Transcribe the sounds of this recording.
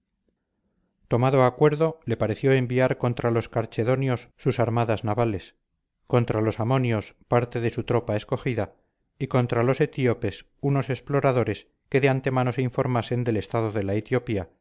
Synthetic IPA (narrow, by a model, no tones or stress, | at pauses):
t̪o̞maðo̞akwe̞ɾðo̞le̞paɾe̞θjo̞e̞mbiaɾko̞nt̪ɾalo̞skaɾt͡ʃe̞ðo̞njo̞sːusaɾmaðaznaβale̞s | ko̞nt̪ɾalo̞samo̞njo̞spaɾt̪e̞ðe̞sut̪ɾo̞pae̞sko̞χiða | iko̞nt̪ɾalo̞se̞t̪iope̞s | uno̞se̞splo̞ɾaðo̞ɾe̞s | ke̞ðeant̪e̞mano̞seiɱfo̞ɾmase̞nd̪e̞le̞st̪aðoðe̞laet̪jopia